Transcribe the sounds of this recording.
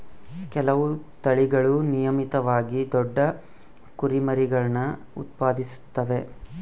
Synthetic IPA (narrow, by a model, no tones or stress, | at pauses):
kɛlɐʋut̪ɐɭiɡɐɭunijɐmit̪ɐʋaːɡid̪ɔɖːɐ | kuɾimɐɾiɡɐɭnɐ | ṵt̪̚paːd̪isu̥t̪ːɐʋe̞